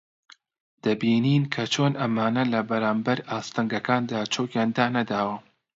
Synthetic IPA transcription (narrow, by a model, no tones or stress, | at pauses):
d̪̥ɐbiːniːnkʰɐt͡ʃʰoːnʔɐmaːnɐlɐbɐɾaːmbɐɾaːst̪ɐŋɡɐkaːnd̪aːt͡ʃʰoːkjaːnd̪aːnɐd̪aːwɐ